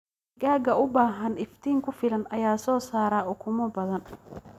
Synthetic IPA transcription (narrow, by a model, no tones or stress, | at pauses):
ɡaːɡɐʊbaːɦɐnɪft̪ʰiːŋkʰʊfɪlɐnɐjaːsɔːsaːɾaːʊkʰʊmɐbɐðɐn